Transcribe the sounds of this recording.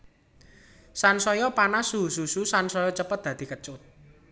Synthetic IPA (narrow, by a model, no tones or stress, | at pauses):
sansɔjɔpanasuɦusususansɔjɔt͡ʃəpət̪̚d̪̥ä̤d̪̥i̤kət͡ʃʊt̪̚